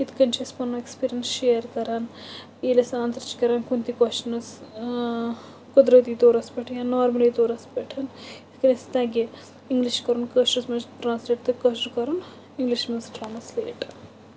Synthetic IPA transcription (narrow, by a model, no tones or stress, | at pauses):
it̪ʰkɐnt͡ʃʰɐspɐnːoekspiːɾijɐnsʃeːɾkɐɾaːn | iːlɐsaːnt̪ɐɾt͡ʃi̥kɐɾaːnkunt̪ikɐʃt͡ʃɐnɐs | kod̪ɾɐt̪iːt̪oːɾɐspeʈʰjanːaːɾmɐliːt̪oːɾɐspeʈʰɐnit̪ʰkɐnist̪aːɡe | iŋɡliʃkɐɾunkɐːʃɐsmɐnsʈɾaːnsleːʈ̚t̪ɨkɐːʃɾkɐɾun | iŋɡliʃmɐnsʈɾaːmɐslḛːʈ